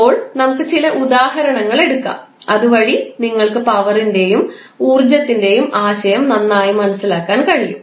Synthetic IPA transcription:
oːɭnɐmɐkːɨt͡ɕilɐʔud̪aːɦɐɾɐɳɐŋːɐɭe̞ɽukːa̰m | ɐðuʋɐɻiniŋːɐɭkɨpɐʋɐrinde̞jum | uːrd͡ʑɐt̪ːinde̞jumaːɕɐjɐmnɐnːaːjumɐnɐsːilaːkːaːnkɐɻijːṵm

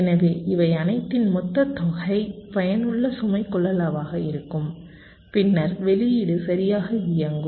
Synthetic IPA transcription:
ɛnɐʋeːʔɪʋɐɪɐnɐɪt̪ːɪnmɔt̪ːɐt̪ːɔɣɐɪpɐjɐnɯɭːɐsʊmɐɪkːɔɭːɐlaːʋaːɣɐɪɾɯkːɯm | pɪnːɐɾʋɛlɪjɪɽɯsɐɾɪjaːɣɐɪjɐŋɡɯ

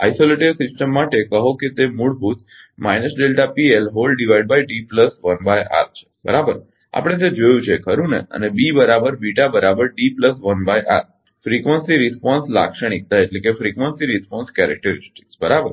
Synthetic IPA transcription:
a̰isoleʈeɾsɪsʈəmːaʈekəɦoket̪emuɭbʱut̪ | majnəsɖelʈapielɦolɖiʋaiɖ̚bajɖipləsʋənbajʔa̰ɾt͡ʃʰe̥bə̰ɾabəɾ | a̰pəɽ̃et̪̬ed͡ʒojũt͡ʃʰekʰəɾũnḛə̰nebibəɾabəɾbiʈabəɾabəɾɖipləsʋənbajʔa̰ɾ | fɾikʋənsiɾispɔnsla̰kʃəɽ̃ik̚t̪aeʈlekefɾikʋənsiɾispɔnskɛɾɛ̰k̚ʈəɾɪsʈi̥ksbəɾabəɾ

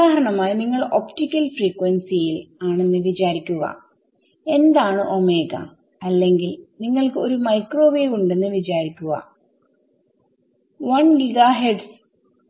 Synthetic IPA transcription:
aːɦɾɐɳɐmaːjɐniŋːɐɭo̞ptikʲːɐlfriːkːwɐnsijilaːɳe̞nːɨʋit͡ɕaːɾikʲːuɣɐ̰ | e̞nd̪aːɳɨʔo̞me̞ːɡɐ̰ | ɐlːe̞ŋɡilniŋːɐɭkɨoɾumɐjkro̞ːʋeːʋuɳɖe̞nːɨʋit͡ɕaːɾikʲːuɣɐ̰ | ʋɐnɡiɡaɦeɖs

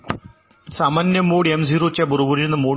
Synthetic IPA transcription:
sɐmɐnjɐmːoːɽiemziːɾoːt͡ɕːɐbuɾubuɾiɾunːɐmoː

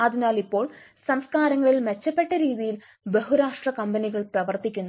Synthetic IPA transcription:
ɐðinaːlipːo̞ːɭsɐmskaːɾɐŋːɐɭilmet͡ɕːɐpːe̞ʈːɐɾiːðijil | beɦuɾaːʂʈrɐkɐmbɐniɣɐɭprɐʋɐrt̪ikʲːunː

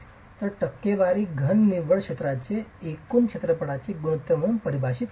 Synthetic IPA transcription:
t̪oʈəkːeʋaɾiɡʱənːiʋəɭkʰet̪ɾat͡ʃʰeekunkʰet̪ɾəpəɽat͡ʃʰeɡunut̪ːəmunpəɾibʱaʃit̪

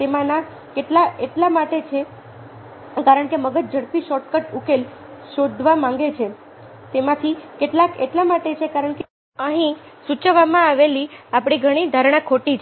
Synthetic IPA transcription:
t̪emãna | keʈlaeʈlamaʈet͡ʃʰe | kaɾəɳkeməɡəd͡ʒd͡ʒəɽpiʃɔʈkəʈukel | ʃod̪ʱʋamãŋ̆ɡet͡ʃʰe | t̪emãt̪ʰikeʈlakḛʈlamaʈet͡ʃʰekaɾəɳke | əɦĩ | sut͡ʃəʋamãaʋeliapɽ̃iɡʱəɽ̃id̪ʱaɾɳãkʰoʈit͡ʃʰ

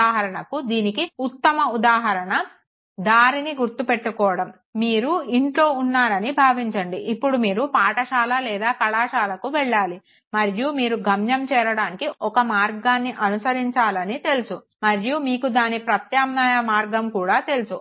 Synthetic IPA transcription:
aːɦɐɾɐɳɐkud̪iːnikiut̪ːɐmɐud̪aːɦɐɾɐɳɐ | d̪aːɾiniɡuɾt̪upe̞ʈːukɔːʋɐɽɐmː | iːɾuiɳʈlo̞ːunːaːɾɐnibʱaːʋiɲt͡ʃɐɳɖiʔipːuɽumiːɾupaːʈɐʃaːlɐlɛːd̪aːkɐɭaːʃaːlɐkuʋɛɭːaːli | mɐɾjumiːɾuɡʱɐmjɐmt͡ʃɛːɾɐɽaːnikiʔɔkɐmaːɾɡaːnːiʔɐnusɐɾiɲt͡ʃaːlɐnit̪e̞lusu | mɐɾjumiːkud̪aːnipɾɐt̪jaːmnaːjɐmaːɾɡɐmkuːɽaːt̪e̞lusu

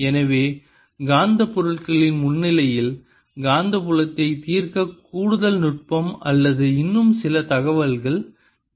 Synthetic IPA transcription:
ɛnɐʋeː | ɡaːnd̪ɐpːɔɾɯɭkɐɭɪnmʊnːɪlɐjɪl | ɡaːnd̪ɐpʊlɐt̪ːɐɪt̪iːrkɐkuːɽɯðɐlnʊʈ̚pɐmɐ̰lːɐðɯɪnːɯmsɪlɐt̪ɐɣɐʋɐlɣɐɭ

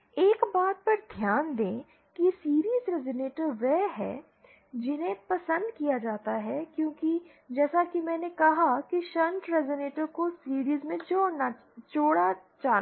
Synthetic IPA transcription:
eːkbaːt̪̚pɐɾd̪ʱjaːnd̪ẽː | kisiːɾiːzɾɛzoneːʈəɾʋɛːɦɛ̰ː | d͡ʒɪnɦẽpɐsə̃nd̪kijad͡ʒaːt̪aɦɛkjõːki | d͡ʒɛːsakimɛ̃ːnekɐɦakiʃɐ̃nʈɾɛzəneːʈəɾkosiːɾiːzmẽt͡ʃona | t͡ʃoːɽat͡ʃaː

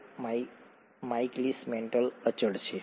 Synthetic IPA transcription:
maiklismeɳʈələt͡ʃəɽt͡ʃʰe

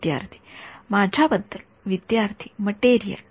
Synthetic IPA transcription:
d̪ja̰ɾt̪ʰi̥mad͡ʑʱabəd̪ːəl | ʋid̪jaɾt̪ʰi̥məʈeɾijə̰l

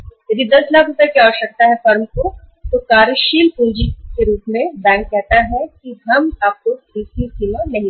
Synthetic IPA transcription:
jɐd̪ʱid̪ɐslaːkʊpɐɾkjaɔːɾʃɐk̚t̪aɦɛfɐɾmko | t̪okaːɾʃiːlpeːd͡ʒikeɾuːpmẽbɛ̃ːŋk̚kːɛɦt̪aɦɛkiɦɐmaːp̚koɪsisilanɐɦĩ

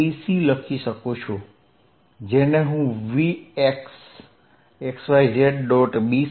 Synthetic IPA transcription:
isiləkʰiʃəkot͡ʃʰo | d͡ʒeneɦũʋieks | eksʋaid͡ʒeʈɖɔʈbi

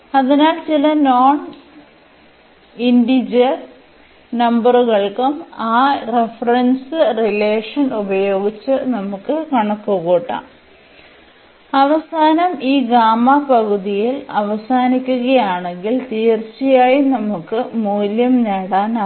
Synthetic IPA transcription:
ɐðinaːlt͡ɕilɐnoːɳ | inɖid͡ʑɐr | nɐmbɐruɣɐɭkumaːrefɐrensɨrileːʂɐnubɐjo̞ːɡit͡ɕːɨnɐmukːɨkɐɳɐkːuɣoːʈːa̰ː | ɐʋɐsaːnɐmiːɡaːmapɐɣuðijilɐʋɐsaːnikʲːuɣɐjaːɳe̞ŋɡilt̪iːrt͡ɕːijaːjinɐmukːɨmuːljɐmneːɽaːn

